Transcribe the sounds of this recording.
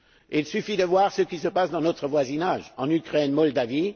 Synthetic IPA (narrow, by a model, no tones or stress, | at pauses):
ilsyfid̪əvwaʁsəkʲisəpasd̪ɑ̃not̪χəvwazinaʒɑ̃nykχɛnmɔld̪avi